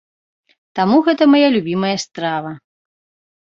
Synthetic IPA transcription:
t̪amuɣɛt̪ɐmajalʲubʲimɐjɐst̪ɾavɐ

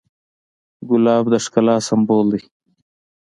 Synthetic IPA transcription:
ɡʊlɑːbd̪əʂkalaːsɐmboːld̪i

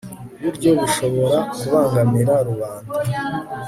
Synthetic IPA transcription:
βuɾɟo̞βiʃo̞βo̞ɾakuβaːŋɡamiɾaɾuβaːndaa

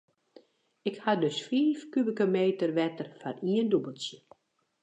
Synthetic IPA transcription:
ɪkhadøsfiːfkybikəmeːtərʋɛtərfaniəndubəlˠsjə

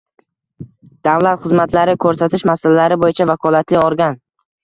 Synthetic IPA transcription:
d̪̥avlat̪χɨzmat̪laɾɪkʰɵɾsat̪ʰɪʃmasalalaɾɪbojɪt͡ʃʰavakʰɒlˠat̪lɪɒɾɡʲan

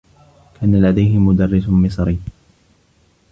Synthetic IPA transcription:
kʰaːnalad̪ajɦɪmʊd̪ɑrːɪsmɪsˤɾi

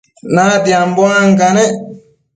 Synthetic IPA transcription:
nadiambɔaŋkanɛ

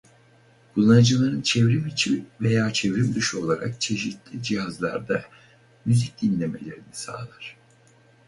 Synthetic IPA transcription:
b̥ulˠanad͡ʒɯlˠaɾɯnt͡ʃʰevɾimit͡ʃʰimve̞jaːt͡ʃʰevɾimd̪yʃo̞lˠaɾa̰k̚t͡ʃʰe̞ʃit̪lʲid͡ʒiɦazlˠa̰ɾd̪a | myzic̚d̪̥inlʲe̞me̞lʲe̞ɾinisa̰ːlˠaɾ̥

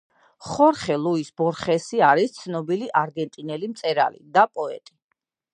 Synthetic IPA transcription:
χɔɾχɛlˠuisbɔɾχɛsiaɾist̪sʰnɔbiliʔaɾɡɛnt̪ʼinɛlimt̪sʼɛɾa̰lḭd̪apʼɔɛ̰t̪ʼi

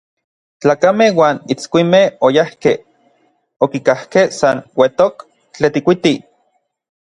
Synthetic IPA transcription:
t͡ɬaːkamehwaːnit͡skʷimehojahke | okikahkehsanwet̪ok | t͡ɬet̪ikʷit̪i

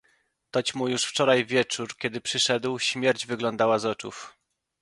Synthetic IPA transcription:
t̪ɔt͡ɕmujuʂft͡ʂɔɾajvʲjɛt͡ʂuɾkʲɛd̪ɘpʂɘʂɛd̪wɕmʲjɛɾd͡ʑvɘɡlɔnd̪awazɔt͡ʂṵf

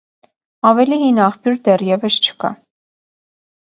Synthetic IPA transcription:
ɑvɛliɦinɑχpjuɾd̪ɛrjɛvəst͡ʃʰə̥kɑ̰

